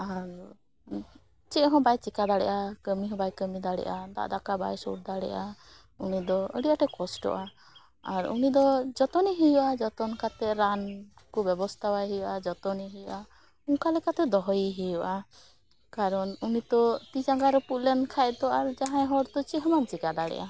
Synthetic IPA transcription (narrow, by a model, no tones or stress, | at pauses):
aɾ | t͡ʃɛɦɔ̃bajt͡ʃikad̪aɽɛ̰ʔakəmiɦɔ̃bajkəmid̪aɽɛ̰ʔad̪a̰ʔd̪akaba̰jsɔ̰ʈ̚d̪aɽɛ̰ʔa | unid̪ɔə̰ɽijaʈɛkɔsʈɔ̰ʔa | aɾṵnid̪ɔd͡ʒɔt̪ɔniɦijuʔad͡ʒɔt̪ɔnkat̪ɛɾan | kɔbɛbɔst̪ʰabajɦɛjuʔad͡ʒɔt̪ɔniɦijuʔa | uŋkalɛkat̪ɛd̪ɔɦɔjiɦijɔʔa | kaɾɔnunit̪ɔt̪id͡ʒaŋɡaɾɛpuʔlɛnkʰajt̪ɔaɾd͡ʒaɦãjɦɔɾt̪ɔt͡ʃiɦɔ̃mant͡ʃikad̪aɽɛ̰ʔa